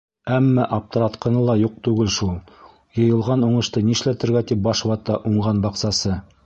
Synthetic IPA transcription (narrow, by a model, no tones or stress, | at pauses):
æmːæʔɑp̚t̪ɤ̆ɾɑt̪qɤ̆nɤlˠɑjuq̚t̪ʉɡɘlʃulˠ | jɤ̆jɤ̆lˠʁɑnuɴɤ̆ʃt̪ɤniɘ̆ʃlæt̪ɘ̆ɾɡæt̪ip̚bɑʃwɑt̪ːɑʔuɴɢɑnbɑqsɑsɤ